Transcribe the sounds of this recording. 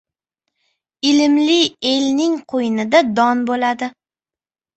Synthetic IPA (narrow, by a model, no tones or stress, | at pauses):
ɪlɪmlɪe̞lnɪŋqʰojɪnɪd̪ad̪ɒnbolad̪ɪ